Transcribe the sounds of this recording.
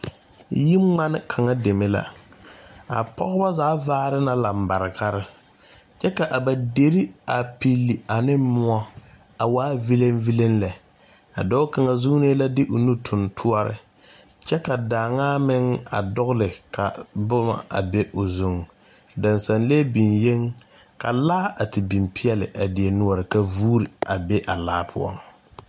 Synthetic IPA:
ji˦ŋ͡ma˦nɪ˦kʰa˨ŋa˦de˨me˦la̰˨ | a̰˨pɔ̰˦ɣʊ˦ba˦zaː˨˦vaː˦ɾɪ˦na˦la˨m̩˨ba˨ɾɪ˨ka˦ɾɪ˦ | t͡ʃɛ˦ka˨ʔa˨ba˨de˨ɾi˦a˨pi˦lːi˨a˨nɪ˦mʊ˦a˦ | a˨waː˦vi˦le˦mvi˦le˦nlɛ˨ | a˨dɔ˦ʊ˦ka˨ŋa˨zu˦ŋ˦ne˦la˦dɪ˦ʔo˨nu˦tʰʊ˨ntʰu˦ɔ˦ɾɪ̰˦ | t͡ʃɛ˦ka˨daː˨ŋaː˦mɪ˦ŋa̰˨dʊ˦ɣlɪ˨ka̰˨bʊ˦ma̰˨a̰˨be˦ʔo˨zu˦ŋ | da˨nsa˨nleː˦bi˨nje˦ŋ | ka˨laː˦a˨tɪ˨bi˨mpʰɪ˦ɛ˦lɪ̰˨ʔa˨dɪ˨e˨nʊ˦ɔ˨ɾɪ˨ka˦vuː˦ɾi˨a˨bɛ˦ʔa˨laː˦pʰʊ̰˦ɔ̰˨ŋ

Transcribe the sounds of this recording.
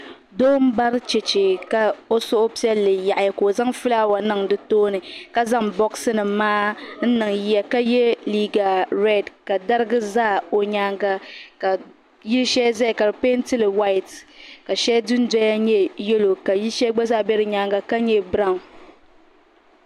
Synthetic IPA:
doː˦m̩˦ba˦ɾɨ˦t͡ʃɛ˨t͡ʃe˨ka˨o˦sʊ˦ʔʊ˦pi˦ɛ˦lːɨ˨ja˨ʔa˨ja˨ko˨za˦ŋfɨ˦la˦wa˨nɨ˦ŋdɨ˦toː˦nɨ˨ka˦za˦ŋbɔ˦ksɨ˦nɨ˨maː˦n̩˦nɨ˨ŋji˦a˨ka˦jɛ˦liː˦ɡa˨ɾɛ˦˨dka˨da˦ɾɨ˦ɡɨ˦zaː˦˨o˨ɲa˦ŋɡa˦ka˨ | ji˦ʃɛ˦zɛ˦˨ka˨ɾɨ˨pe˦n˦tɨ˦lɨ˨wa˦˨tka˨ʃɛ˦dɨ˦n˦dɛ˦ja˦ɲɛ˦jɛ˦lo˨ka˨ji˦ʃɛ˦ɡ͡ba˦za˦˨bɛ˦ɾɨ˦ɲa˦ŋɡa˦ka˦ɲɛ˦bɾa˦˨

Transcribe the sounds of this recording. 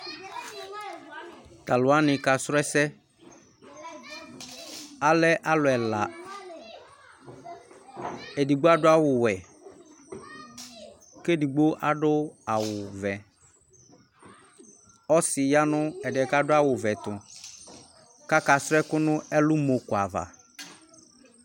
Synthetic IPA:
t̪a˨lʊ˨a˦nɪ̃˨ka˨sɾɛ˦sɛ˦ | a˦lɛ˦ʔa˦lʊ˨ɛ˨la˨ | e˨di˨ɡ͡bo˦a˦dʊ˦a˦wʊ˨wɛ˨ | ke˦di˨ɡ͡bo˦ʔa˦ɖʊ˦a˨wʊ˨vɛ˨ | ɔ˦sɪ˨ja˦nʊ̃˦ɛ˨dɪ˨ɛ˨ka˦dʊ˦a˦wʊ˨vɛ˨t̪ʊ˨ | ka˦ka˨sɾɛ˦kʊ˦nʊ̃˦ɛ˦lʊ˦mo˨kʊ˨a˨va̰˨

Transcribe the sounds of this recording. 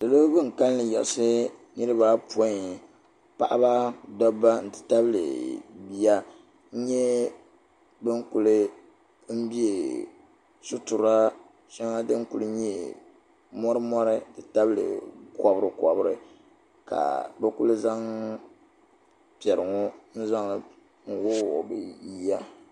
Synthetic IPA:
dɨ˨lo˦bɨ˦ŋ̩˨ka˦lːɨ˨jɛ̰˨lsɨ˦nɨ˦ɾɨ˦ba˦po˦˨ | pa̰˨ʔa˦ba˦dɔ˦bːa˦n̩˨tɨ̥˨ta˦bɨ˦lɨ̰˨bi˦ja˦ | ɲɛ˦ | bɨ˦ŋku˨lɨ˦ | m̩˦bi˦e˨ | su˦tu˨ɾa˦ | ʃa˦ŋa˦dɨ˦ŋ˦ku˦lɨ˦ɲɛ˦ | mɔ˦ɾɨ˦mɔ˦ɾɨ˦n̩˨tɨ˨ta˦bɨ˦lɨ̰˨kɔ˨bɾɨ˦kɔ˨bɾɨ̰˦ | ka̰˨bɛ˦ku˦lɨ˦za˦ŋ | pi˨ɛ˨ɾɨ˨ŋɔ˦n̩˦za˦ŋ˨l | ŋ̩˦wʊ˦˨ɔ˨bɨ˨ji˦ja˦

